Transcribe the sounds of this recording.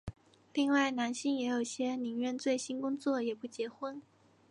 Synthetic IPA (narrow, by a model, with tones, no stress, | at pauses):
li˥˧ŋwa˥˩ɪna˧˥nɕi˥˩ŋjɛ˧˥jo˨˩ʊɕjɛ˥ni˧˥ŋɥɛ˥˧nt͡swe˥˩ɪɕi˥nkʊ˥ŋt͡swɔ˥˩jɛ˨˩pu˥˩t͡ɕjɛ˧˥xwə˥n